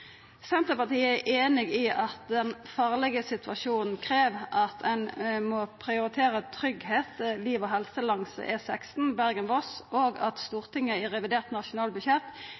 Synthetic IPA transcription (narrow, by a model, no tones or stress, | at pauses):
sɛnt̪əpɑʁt̪iːəɛʔeːnɪɡiʔɑt̪̚d̪ɛnfɑːʁlɛɡəsɪt̪ʰʋɑʃuːnn̩kʰʁeːʋʔɑt̪ɛnmopʰʁɪʊʁɪt̪ʰeːʁət̪ʰɾʏɡheːt̪liːʋoːɦɛlsəlɑŋsə̰ʔɛsɛkst̪n̩bæʁɡənʋɔsʔoːɡɑt̪st̪uːʁt̪ɪŋːəɛʁɛʋɪd̪eːʁt̪nɑʂʊnɑːlbʉçjɛt̪ː